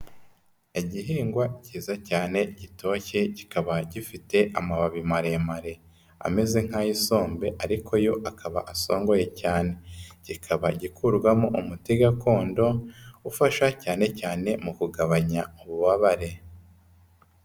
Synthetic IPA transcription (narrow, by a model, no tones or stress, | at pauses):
eiɟiɦiːŋɡwaciːzacaːne̞ɟitʰo̞çe̞ɟikaβaɟifite̞ʔamaβaβimaɾe̞maɾe̞ | a̰me̞ze̞ŋ̥hajiso̞ːmbe̞ʔaɾikʰo̞jo̞ʔakʰaβa̰ʔaso̞ːŋɡo̞je̞caːne̞ɟ̥ikʰaβaɟikʰuɾɡwamoʔumutiɡako̞ːndo̞ufaʃacaːne̞caːne̞mukuɡaβaɲauβuβaβaɾe̞